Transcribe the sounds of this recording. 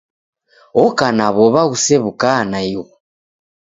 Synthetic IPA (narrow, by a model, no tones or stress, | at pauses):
ɔkanaβɔβaɣusɛβukanaju